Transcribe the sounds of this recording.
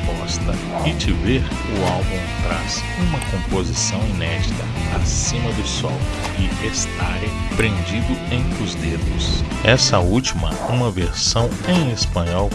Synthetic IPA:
pɔst̪ɐ | ɪt͡ʃɪveɾ | ʊawbũw̃t̪ɾas | ũmɐkõpozisɐ̃w̃inɛd͡ʒit̪ɐa̰sĩmɐd̪ʊsɔw | ɪest̪aɾepɾẽnd͡ʒid̪ʊẽj̃t̪ɾʊzd̪ed̪ʊs | ɛsɐuwt͡ʃimɐ | ũmɐveɾsɐ̃w̃ẽj̃espɐ̃ɲɔw

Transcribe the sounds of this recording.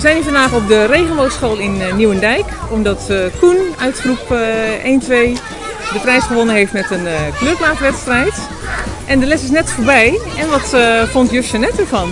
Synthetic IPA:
ʋəzɛjnyfɑndaːχɔp̚dərejɣənʋowsχoːlˠɪnːjuwəndɛjkɔmdɔtkunœɥtχrupʔeːntʋej | dəprɛjsχəʋonənɦeftmɛtənkløplaːtʋɛtstrɛjt | ʔɛndəlɛsɪs̬nɛtfoːɹbɛj | ɛnʋɔtfontjøʃənɛtəfɑn

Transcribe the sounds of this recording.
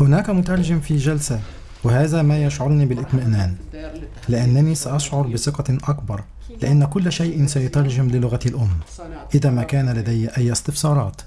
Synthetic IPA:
hʊnaːkamʊt̪ɑɾˤʒɪmfiːd͡ʒalsa | wɪhaːðaːmaːjaʃʕʊɾniːbɪlʔɪt̪maʔnaːn | lɪʔanːaniːsaʔɑʃʕʊɾˤbɪsɪqɑʔakbɑɾˤ | lɪʔanːakʊlːʃajʔɪnsajʊt̪ɑɾˤʒɪmlɪlʊɣaalʔʊmː | ʔɪðaːmaːkaːnalad̪ajːʔajːɪst̪ɪfsˤɑːɾˤɑ̰ːt̪

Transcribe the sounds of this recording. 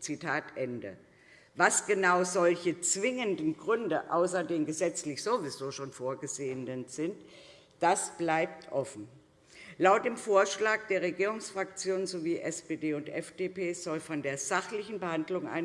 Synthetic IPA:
t͡sitʰaːtʔɛndə̰ | vasɡ̥ənaʊzɔlçət͡sv̥ɪŋəndn̩ɡʁʏndəʔaʊsɐdeːnɡəzɛt͡slɪçz̥ovizoːʃoːnfoːɐɡəzeːəndənz̥ɪnt | d̥asb̥laɪp̚tʰʔɔfn̩ | laʊt̚d̥eːmfoːɐʃlaːk̚d̥eːɐʁ̞eɡiːʁ̞ʊŋsfʁ̥ak̚t͡sjoːnənzoviːʔɛspeːdeːʊntʔɛ̰fd̥eːpʰeːz̥ɔlfɔndeːɐzaχlɪçn̩bəhandlʊŋʔa̰ɪ

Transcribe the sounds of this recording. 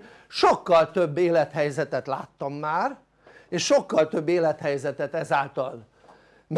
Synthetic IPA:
ʃokːɒlt̪øbːeːlɛt̪hɛjzɛt̪ɛt̪la̰ːt̪ːɒmːaːr | eːʃʃo̞kːɒlt̪øbːeːlɛt̪hɛjzɛt̪ɛt̪ɛzaːlt̪ɒl | m

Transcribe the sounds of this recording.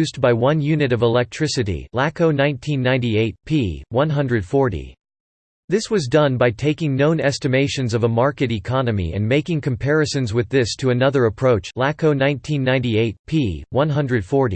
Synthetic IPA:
ʉzbaɪwʌ̃njʉnɨɾʌvəlɛk̚tʰɹ̥ɪsɨɾḭlækoʊnãɪ̃ntʰĩnːãɪ̃nieɪt̚pʰiwʌ̃nɦʌ̃ndɹɨd̥fɔɹɾḭ | ðɪswʌzdʌ̃nbaɪtʰeɪkɪ̃ŋnõʊ̃nɛstɨmeɪʃɨ̃nzʌvəmɑɹkɨɾikʰɑnɨmḭɨ̰̃nmeɪkɪ̃ŋkʰɨ̃m̩pʰɛɹɨsɨ̃nzwɨðɪstʰɨɨnʌðə˞ɨpʰɹ̥oʊt͡ʃlækoʊnãɪ̃ntʰĩnːãɪ̃ntieɪt̚pʰiwʌ̃nɦʌ̃ndɹɨd̥fɔɹɾḭ

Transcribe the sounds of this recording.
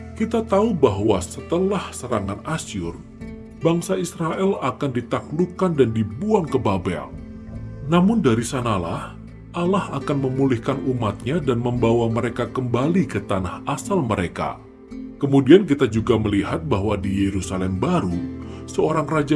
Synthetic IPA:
kit̪at̪aubaɦwasət̪əlahsəɾaŋanasiʊr | baŋsaisɾaʔɛlakandit̪aklukandandibuaŋkəbabɛ̰l | namʊndaɾisanala̰h | ʔalahakanməmulɪhkanumat̪̚ɲadanməmbawaməɾekakəmbalikət̪anahasalməɾeka̰ | kəmudiank̬it̪ad͡ʒuɡaməlihat̪̚baɦwadijeɾusalɛmbaɾusəoɾaŋrad͡ʒa

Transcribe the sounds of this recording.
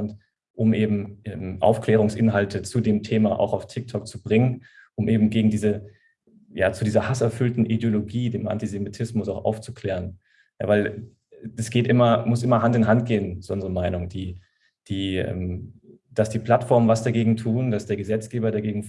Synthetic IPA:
nt | ʔʊmʔeːbm̩ʔɛːmʔa̰ʊfkl̥ɛːʁ̞ʊŋsʔɪnɦaltʰət͡sudeːmtʰeːmaʔa̰ʊxaʊftʰɪk̚tʰɔk̚t͡subʁɪŋənʔʊmʔeːbm̩ɡeːɡŋ̩diːzə | jaːt͡sudiːzɐhasɛɐfʏltn̩ʔidjoloɡiːdeːmʔa̰ntizemitʰɪsmʊsaʊxʔa̰ʊft͡sukl̥ɛːʁ̞ən | ja̰ːvaɪl | d̥asɡ̥eːtʔɪmɐmʊsʔɪmɐɦantɪnɦant̚ɡ̥eːənt͡sʔʊnzʁəmaɪnʊŋd̥iː | d̥iːɛ̰ːm | d̥asd̥iːpl̥atfɔɐmənvasd̥aɡeːɡŋ̩tʰuːndasd̥eːɐɡəzɛt͡sɡ̥eːbɐdaɡeːɡŋ̩

